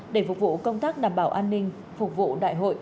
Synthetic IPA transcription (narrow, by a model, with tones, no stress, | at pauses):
ɗe˧˩fʊ˨˩k͡p̚vṵ˧˨kə˧wŋ͡mt̪aː˦˥k̚ɗaː˨˩mɓaː˧˩wʔaː˧nːï˧ŋ̟ | fʊ˨˩k͡p̚vṵ˧˨ɗa̰ː˧˨jɦo̰˧˨j